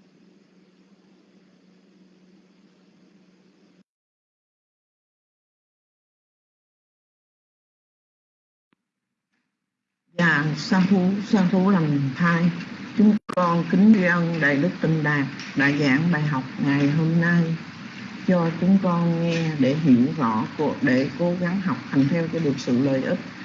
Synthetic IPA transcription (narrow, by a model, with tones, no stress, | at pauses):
zaː˨˩saː˧t̪ʰu˨˦saː˧t̪ʰu˨˦la˨˩mt̪ʰaː˧jt͡ɕʊ˨˦ŋ͡mkɔ˧nkï˨˦ŋ̟t͡ɕwi˧ʔə˧nɗa̰ː˧˨jɗɨ˦˥k̚t̪ï˨˩ŋ̟ɗaː˨˩k̚ɗa̰ː˧˥zaː˧˥ŋɓaː˨˩jɦa˨˩wk͡p̚ŋa˨˩jɦo˧mna˧j | t͡ɕɔ˧t͡ɕʊ˨˦ŋ͡mkɔ˧nŋɛ˧ɗe˧˩ɦi˧˩əwzɔ˧˩˥ku˨˩ək̚ɗe˧˩ko˨˦ɣa˨˦ŋɦa˨˩wk͡p̚t̪ʰa˨˩ŋ̟t̪ʰɛ˧wkaː˨˦jɗɨ˨˩ək̚sɨ̰˧˨ləː˨˩jʔi˦˥t̚